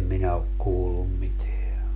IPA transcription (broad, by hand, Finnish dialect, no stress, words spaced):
minæ ok kuːlːum miteæ